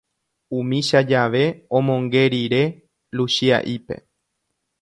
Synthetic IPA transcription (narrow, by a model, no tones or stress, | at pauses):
ũmĩʃad͡ʒaʋe̞õmõ̞ŋɡe̞ɾiɾe̞ | lusia̰ʔipe̞̰